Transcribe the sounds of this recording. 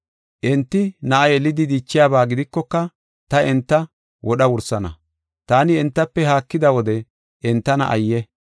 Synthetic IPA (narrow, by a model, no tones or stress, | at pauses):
ʔɛnt̪ːɪnɐʔɐjɛlːɪd̪ɪd̪iːt͡ʃːɪjaːbaːɡɪd̪ɪkːɔkːɐ | t̪ɐɛnt̪ːɐ | wʔɔɗɐwʊɾsɐnɐ̰ | t̪aːnɪɛnt̪ːɐpːɛɦaːkːɪd̪ɐwɔd̪ɛ | ʔɛnt̪ːɐnɐ̰ʔɐ̰jːɛ